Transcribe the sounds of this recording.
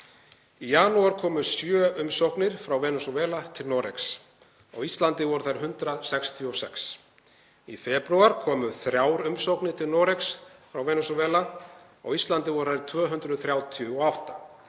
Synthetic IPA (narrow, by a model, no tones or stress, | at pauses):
ijanuaɾ̥kʰɔːmʏsjœːʏmsowknɪɾ̥fɾawvɛːnʏsɔvɛːlat̪ʰɪlnɔɾḛks | ɔ̰ɣist̪lant̪ɪvɔɾʏθajɾ̥ɦʏnt̪ɾasɛkst̪ʰjiɔsɛks | ifɛːpɾuwaɾkʰɔːmʏθɾjaːwɾʏmsowknɪɾ̥t̪ʰɪlnɔːɾeksfɾawvɛːnʏsɔvɛːla | ɔ̰ɣist̪lant̪ɪvɔɾʏ̥θajɾ̥t̪ʰvœːɦʏnt̪ɾʏðθɾjawt̪ʰjʏɔawht̪ḁ